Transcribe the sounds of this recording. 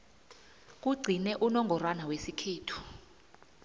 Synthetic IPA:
k̬uɡ͡ǀʱinɛʔunɔŋɡʱɔrwanawesikʰeːtʰu̥

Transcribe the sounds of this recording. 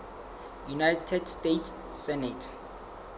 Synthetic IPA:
junajtʰɛdstetʰs | sɛnɛtʰ

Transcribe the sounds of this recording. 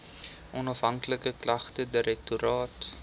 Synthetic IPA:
ʔɔnɐfɦɐŋkləkəklɐχtədəɾɛk̚tuɾɑːt

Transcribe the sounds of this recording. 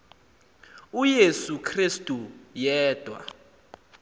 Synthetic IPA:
ujesukʰristʼujɛːd̥ʱwa̰

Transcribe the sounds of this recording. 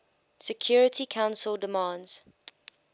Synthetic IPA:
sɛkʰj̥ɔːɹətʰikʰãʊ̃nsəlˠdəmɑ̃ːndz̥

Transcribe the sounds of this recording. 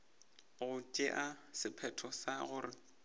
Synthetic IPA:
ɣʊt͡ʃʼeʔasɪpʰɛtʰɔsaɣʊːrɪ

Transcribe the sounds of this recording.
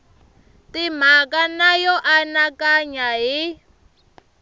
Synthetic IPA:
tim̤akanajɔʔanakaɲaɦi

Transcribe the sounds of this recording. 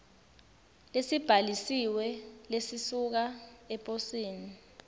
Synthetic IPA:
lesib̥ʱalisiwɛlesisuk̬aɛpʼosiːni

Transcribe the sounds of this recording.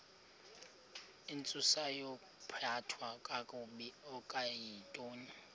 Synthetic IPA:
ɪnt͡sʼʊsajɔ | pʰatʰwakʼakʼʊɓiɔkʼajitʼoːni

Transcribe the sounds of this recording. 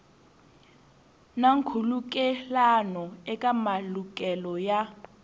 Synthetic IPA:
naŋkʰuluk̬ʼɛlanɔɛkʼamalukʼɛlɔja

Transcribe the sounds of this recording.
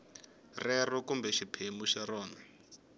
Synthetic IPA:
rɛrukumbɛʃipʰemuʃaɾɔːna

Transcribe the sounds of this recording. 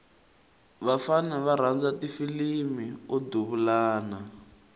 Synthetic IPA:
βafanaβaɾ̤and͡zatifilimiɔduβulaːna

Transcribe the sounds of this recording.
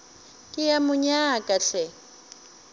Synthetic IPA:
kʼɪjamʊɲakʼaɬɛ

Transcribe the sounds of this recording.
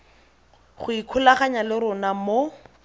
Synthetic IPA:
χʊikʰʊlaχaɲalɪɾʊnamo

